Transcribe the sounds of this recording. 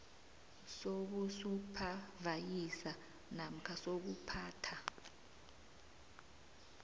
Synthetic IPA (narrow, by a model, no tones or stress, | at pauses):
sok̬usupʰavajisa | nam̩kʰasok̬upʰaːtʰa